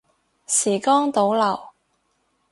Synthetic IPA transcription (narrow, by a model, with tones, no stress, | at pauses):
siː˨˩kɔː˥ŋt̪o˨˥wlɐ˨˩w